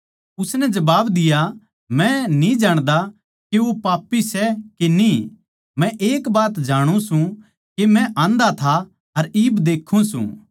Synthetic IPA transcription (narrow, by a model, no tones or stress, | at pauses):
ʊsnɛd͡ʒɐbaːbd̪ɪja | mɛ̃nĩd͡ʒaːɽ̃d̪a | keopaːpːisɛkeni | mɛ̃ʔeːkbaːt̪d͡ʒaːɽ̃ũsũ | kemɛ̃ʔãːnd̪at̪ʰa | ɐɾiːbd̪eːkʰũsṵ̃